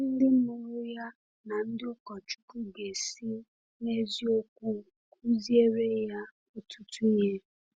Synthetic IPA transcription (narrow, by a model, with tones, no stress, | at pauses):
n̩˦dɪ˦mu˨ɾʊ˦ja˦ | na˨n̩˦dɪ˦ʊ˦kɔ˨t͡ʃu̥˦ku˦ɡe˨si˦ | ne˦zi˦o˦kʷu˦ | ku˦zi˦e˦ɾe˦ja˦ | o˨tʰu˦tu˦je˦